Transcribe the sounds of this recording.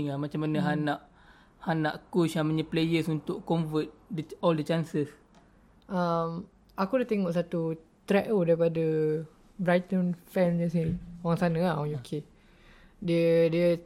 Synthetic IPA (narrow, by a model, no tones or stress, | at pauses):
ŋamat͡ʃamːanəɦanaʔ | hanaʔkut͡ʃamaɲəplejəsunt̪ʊʔkɔmvət̪̚dɔldət͡ʃansəs | ʔam | ʔakudat̪eŋɔʔsat̪ut̪ɾɛʔodaɾipadə | bɾajt̪ənfɛmd͡ʒəsioɣaŋsanə̃aukʰe | diədiə